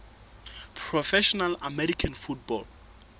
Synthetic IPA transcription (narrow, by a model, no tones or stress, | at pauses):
pʰɹɔfɛʃɔnalamɛɾikʰãnfut̚bɔl